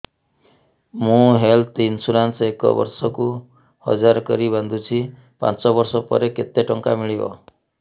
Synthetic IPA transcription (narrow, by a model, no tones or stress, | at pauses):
mũɦelt̪insulansekɔ̰bɔ̰ɾsɔku | hɔ̰d͡ʒaɾɔkɔɾiband̪ʱut͡ʃʰi | pa̰nt͡ʃɔbɔɾsɔpɔ̰ɾeket̪eʈɔŋkamiɭibɔ̰